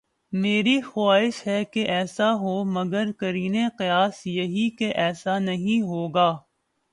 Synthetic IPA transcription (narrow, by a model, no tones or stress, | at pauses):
meːɾixaaːɦɪʃɦɛkeʔɛːsaɦoːmɐɡəɾkɐɾiːneqɪjaːsjɐɦikeʔɛːsanɐɦĩɦoːɡaː